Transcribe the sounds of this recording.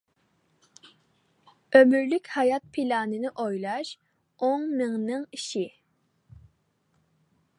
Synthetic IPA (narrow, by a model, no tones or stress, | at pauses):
ømyɾlykʲhɑjɑt̪̚pʰilɑːnɨnɪʔojlˠɑʃ | oŋmɨŋnɨŋiʃi